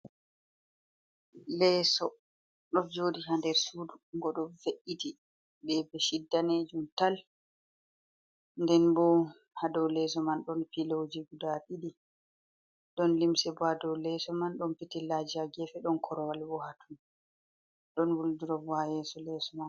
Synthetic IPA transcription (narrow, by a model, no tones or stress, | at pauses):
lɛsɔ | ɗɔnd͡ʒoːdiɦandɛɾsuduɡɔɗɔveʔiti | ɓɛbɛʃidːaned͡ʒumtal | ndɛnbɔ | hadɔwlɛs̬ɔmanɗɔnfilowd͡ʒiɡudaɗiɗi | ɗɔnlimsɛbadɔwlɛsɔmanɗɔnpitilad͡ʒiaɡɛfɛɗɔnkʰɔɾɔwalbɔhatʰun | ɗɔnwuldiɾɔbajɛsɔlɛsɔman